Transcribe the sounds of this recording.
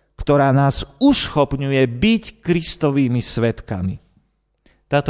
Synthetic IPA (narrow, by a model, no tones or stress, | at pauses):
kt̪ɔɾaːnaːzusxɔpɲujɛbickɾist̪ɔʋiːmisʋɛt̪ka̰mi | t̪aːt̪